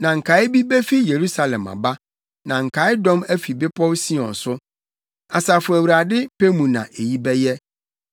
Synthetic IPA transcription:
nã˨ŋ̩˨kʰa˨˦ɪ˦bi˦be˦fi˦je˨ɾu˦sa˨lɛ̃˨ma̰˨ba˦ | nã˨ŋ̩˨kʰa˨˦ɪ˦dɔ̃˦mæ˦fi˨bɪ˦pʰɔ˦wsi˦ɔ̰̃˨n̩˨sʊ˦ | a˨sa˨fʊ˨æ˨wu˨ɾa˨dɪ˦pe˦mũ˨nã̰˨ʔe˨ji˦bɛ˦jɛ˦

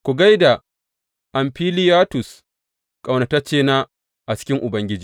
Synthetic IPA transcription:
kʷu˨ɡa˦jda˨ | ʔa˨mɸiː˦lɪ˦jaː˦tʊ˨s | kʼa˨wnɐ˨ta˦t͡ʃeː˦na˦ | ʔa˨t͡ʃɪ̥˦kʲɪ˦ŋʔʊ˨bɐ˦ŋɡʲɪ˦d͡ʒiː˨

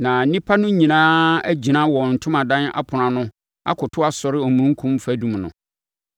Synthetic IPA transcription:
nã˨˦nĩ˦pʰa˦nʊ̃˦ɲĩ˨nãː˦æ˦d͡ʑi˨nã˦wɔ˨n̩˨tʰʊ̃˦mã˨dã˦na̰˦pʰʊ˨ɾã˨nʊ̃˦ | a̰˦kʰʊ˨tʰʊ˦a˦sɔ˨ɾɪ˦ɔ˨mũ˦ŋ̩˦kʰũ˦m˦fæ˨˦dũ˨mnʊ̰̃˨

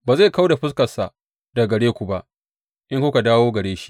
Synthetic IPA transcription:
baː˨za˦˨ka˦wda˨ɸɪ˦s̬kɐ˨sa˨ | da˨ɡɐ˨ɽeː˦kʷu˨ba˦ʔ | ʔɪ˦ŋkʷʊ˦ka˨daː˦woː˦ɡɐ˨ɽeː˦ʃi̥˦

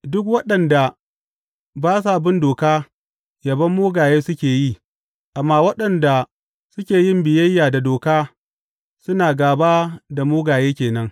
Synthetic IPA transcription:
dʊ˦k̬wɐ˦ɗɐ˨nda˨ | baː˦sa˦ʔbɪ˦ndoː˨kaː˦ | jɐ˨bɐ˦mːoː˦ɡaː˨jeː˦sʊ˦kʲeː˨ji˦˨ | ʔa˨mːaː˦wɐ˦ɗɐ˨nda˨ | sʊ˦kʲeː˨jɪ˦mbɪ˨jɐ˦jːaː˨da˨doː˨kaː˦ | sʊ˦naː˨ɡaː˨baː˦da˨moː˦ɡaː˨jeː˦kʲeː˨nɐ˦ŋ

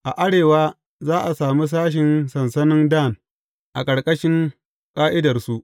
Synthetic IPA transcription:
ʔa˨ʔa˦ɽeː˨waː˦ | zaː˦ʔa˨saː˨mi˦s̬aː˦ʃ̬ɪ˨nsɐ˨nsɐ˦nɪ˦nda˦˨n | ʔa̰˨kʼɐ˨ɽkʼɐ˦ʃɪ˦ŋ | kʼaː˦ʔɪ˦dɐ˨rsu˦ʔ

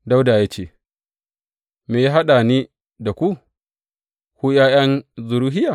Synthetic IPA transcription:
da˦wdaː˨jaː˦t͡ʃeː˦˨ | meː˨ji˦ɦa˦ɗa˨niː˦ | da˨kʷu˦ | kʷu˦jaː˦jɐ˦nzʊ˨ɾuː˦ɦɪ˦jaː˨

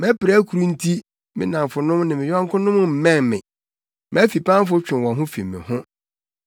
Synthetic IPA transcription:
mɛ˦pɪ˨ɾa˦kʰu˨ɾu˦n̩˦tʰi˦ | mɪ̰̃˦nã˨mfʊ˨nʊ̃˦mnɪ̃˨mɪ̃˨jã˦ŋ˦kʰʊ̃˦nʊ̃˦m˦m̩˨mɛ̃˦˨nmɪ̰̃˨ | m˨æ˦fi˨pʰã˦m˦fʊ˦t͡ɕᶣɪ̃˨nwɔ̃˨nɦʊ̃˦fḭ˨mːɪ̰̃˨hʊ̃˦

